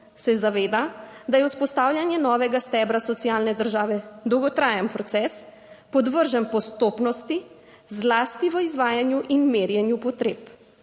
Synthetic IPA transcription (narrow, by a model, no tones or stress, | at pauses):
sɛzaʋeːd̪ad̪ajɛwspɔst̪aːwlʲjanjɛnɔːʋɛɡast̪ɛbɾasɔt̪sijaːlnɛd̪əɾʒaːʋɛd̪ɔwɡɔt̪ɾaːjənpɾɔt̪sɛs | pɔd̪ʋəɾʒəmpɔst̪oːpnɔst̪i | zlaːst̪iʋəizʋaːjanjuʔinmeːɾjɛnjupɔt̪ɾeːp